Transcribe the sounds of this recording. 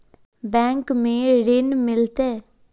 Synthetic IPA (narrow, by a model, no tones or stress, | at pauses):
bɛ̃ːŋkmẽːɾɪnmɪlt̪ɛː